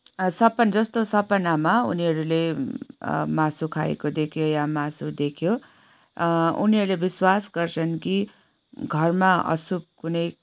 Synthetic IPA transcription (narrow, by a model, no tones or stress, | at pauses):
sʌpʌnd͡zʌst̪osʌpʌnamaṵniɦʌɾule | masukʰa̰ḛkod̪ekʰjojamasud̪ekʰjo | ṵniɦʌɾulebiswasɡʌrt͡sʰʌnki | ɡʱʌrmaʌ̰sub̚kunʌj